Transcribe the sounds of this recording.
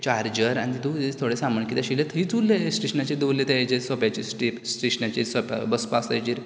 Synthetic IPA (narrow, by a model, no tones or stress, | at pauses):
t͡ɕaɾd͡ʑəɾanit̪it̪uet̪ʰoɽesaməɳkit̪aɕilet̪ʰəɦit͡sulːesʈiɕənat͡ɕid̪ulːet̪ad͡ʑisɔpjat͡ɕisʈipsʈiʂənat͡ɕiːɾsɔpbəspast̪ajt͡ɕiːɾ